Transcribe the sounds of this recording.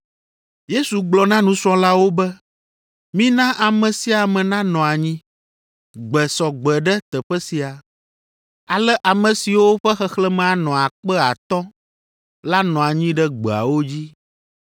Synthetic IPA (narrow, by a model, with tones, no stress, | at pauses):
je˦su˨ɡ͡blɔ˨nã˦nũ˨sɔ̃˦la˦wo˦bɛ˦ | mĩ˦nã˦ʔa˨mɛ̃˨si˦a˨mɛ̃˨nã˦nɔ̃˨a˨ɲĩ˦ | ɡ͡bɛ˨sɔ˨ɡ͡bɛ˨ɖɛ˦t̪ɛ˨ɸɛ˦si˨a˨ | a˨lɛ˦ʔa˨mɛ̃˨si˨wo˦ɸɛ˦xɛ˦xlɛ˦mɛ̃˨a˨nɔ̃˨a˨k͡pɛ˦a˨t̪ɔ̃˦ | la˦nɔ̃˨a˨ɲĩ˦ɖɛ˦ɡ͡bɛ˨a̰˨wo˦d͡ʑi˦